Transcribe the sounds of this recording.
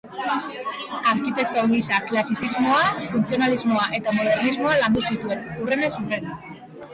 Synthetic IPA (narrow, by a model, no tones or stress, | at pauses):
aɾkit̪e̞k̚t̪aɣisaklasisizmo̞afunt͡sio̞nalizmo̞aʔe̞t̪amoð̞e̞ɾrnizmo̞aland̪usit̪ue̞nure̞ne̞sure̞na